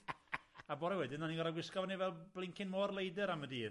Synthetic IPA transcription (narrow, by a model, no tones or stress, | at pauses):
abɔːɾawɛdɪnaniɡɔɾaɡwɪskɔvnivɛlˠb̥lɪŋkʰɪnmoːrlˠejdɨɾamədiː